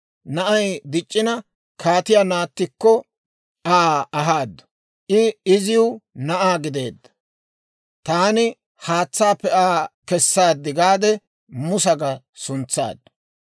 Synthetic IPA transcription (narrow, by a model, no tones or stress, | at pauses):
nɐʔɐjd̪ɪt͡ʃʼːɪnɐ | kʰaːt̪ɪjanaːt̪ːɪkːɔ | ʔaːɐɦaːd̪ːɐ̥ | ʔɪɪzɪjʊnɐʔaːɡɪd̪e̞̰ːd̪ːɐ̥ | t̪aːnɪ | haːt͡sːaːpːɛaːkɛsːaːd̪ːɪɡaːd̪ɛ | mʊsɐɡɐ | sʊnt͡sːa̰ːd̪ːɐ̥